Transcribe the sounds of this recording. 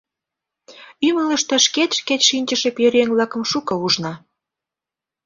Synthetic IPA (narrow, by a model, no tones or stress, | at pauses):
ymələʃt̪ĕʃket̪ʲʃket̪ʃinʲt͡ɕəʃepjøɾeŋvlɑkə̆mʃukɤ̆uʒnɑ